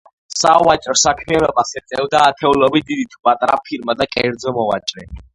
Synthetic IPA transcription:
sawat͡ʃʼɾɔsakʰmianɔbasɛt̪sʼɛvd̪aːt̪ʰɛulɔbid̪id̪it̪ʰupʼat̪ʼɾa̰pʰiɾmad̪akʼɛɾd̪zɔmɔva̰t͡ʃʼɾɛ

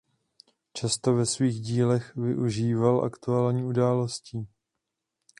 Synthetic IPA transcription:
t͡ʃast̪o̞vɛsviːɣɟiːlɛxvɪ̰ʔuʒiːvalʔa̰kt̪uaːlɲiːudaːlo̞sciː

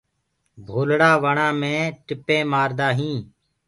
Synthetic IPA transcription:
bʱoːlɽaːʋəɳãːmẽːʈɪpẽːmaːɾd̪aːɦĩː

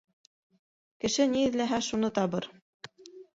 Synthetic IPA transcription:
kɘ̆ʃɘniɘ̆ðlæɦæʃunɤt̪ɑβɤɾ

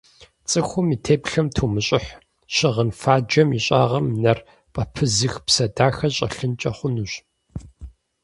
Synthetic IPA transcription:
t͡sʼɨxʷʊmiːtʰeːpɬɐmtʰuːmɨɕʼɪħ | ɕɪʁənfaːd͡ʒɐmiɕʼaːʁɐmnɐr | pʼɐpʰɨzɨxpsɐdaːxɐɕʼɐ̰ɬɨnt͡ʃʼɐχʷʊnuːɕ

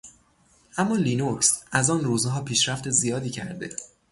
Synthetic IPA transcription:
ʔæmːɒːliːnoksʔæzɒːnruːzɦɒːpʰiːʃɾæft̪e̞zijɒːd̪iːcʰæ̰ɾd̪e̞̰

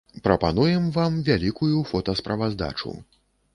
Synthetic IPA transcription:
pɾɐpanujɛmvamvʲalʲikujufɔt̪ɐspɾɐvazd̪a̰t͡ʂṵ

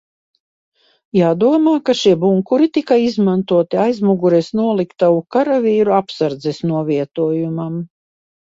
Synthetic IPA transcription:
jaːd̪uɔmaːkaʃiɛbuŋkuɾit̪ikaizmant̪uɔt̪iajzmuɡuɾɛsnuɔlˠikt̪aukaɾavʲiːɾuapsaɾd̪zɛsnuɔviɛt̪uɔjumam

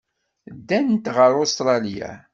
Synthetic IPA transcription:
d̪ːænt̪ʁəɾost̪ɾˤɑlija̰

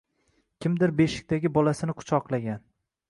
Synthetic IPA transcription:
kʲʰɪmd̪ɪɾbe̞ʃɪ̥k̚ʲt̪aɡʲɪbɒlasɪnɪqʰʊ̥t͡ʃʰɒqlˠaɡʲan

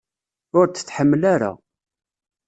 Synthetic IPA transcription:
ʊɾt͡sːə̥t͡sːħəmːlaɾa̰

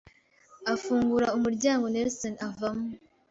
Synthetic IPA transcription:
afuːŋɡuɾaumuɾɟaːŋɡo̞neɾsonavamu

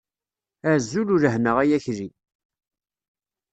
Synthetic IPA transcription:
æzːuluɾəhnəʁæjæçɾi

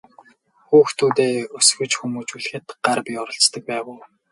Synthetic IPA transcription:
xuːxt̪ʰuːt̪eːɵsɡɵ̆t͡ɕxumuːt͡ɕuɮ̆xɘ̆t̪ɢ̥arpʲiɔɾɞ̆ɬt͡st̪ə̆k̚pæːʁʊː

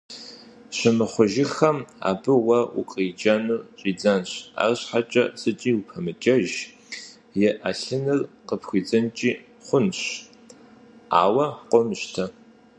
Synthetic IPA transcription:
ɕɪmɨχʷʊʒɪxɐma̰ːbɨwɐʔʊ̰qʼid͡ʒɐnuːɕʼiːd͡zanɕa̰ːrɕħat͡ʃʼɐ̰sɨt͡ʃʼiːwupʰɐmɨt͡ʃʼɐʒ | jɛʔɐɬɨnɨrqəpxʷiːd͡zɐnt͡ʃʼiː | χʷʊnɕ | a̰ːwɐqʷʼɔmʃtʰɐ

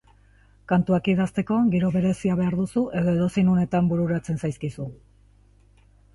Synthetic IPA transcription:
kant̪uakiðast̪e̞ko̞ɣiɾo̞βe̞ɾe̞siaβe̞aɾðusuʔe̞ðo̞e̞ðo̞se̞jnone̞t̪ambuɾuɾat͡se̞nsajskisu

